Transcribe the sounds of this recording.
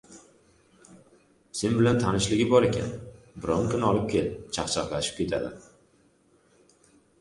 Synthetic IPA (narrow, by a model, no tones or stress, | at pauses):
se̞nbɪlant̪ʰanɪʃlɪɡʲɪbɒɾekʲʰa̰n | bɪɾɒŋkʲʰʊnɒlˠɪp̚kʲʰe̞lɪt͡ʃʰɑqt͡ʃʰɑqlaʃɪ̥p̚kʲe̞t̪ʰa̰d̪ɪ̰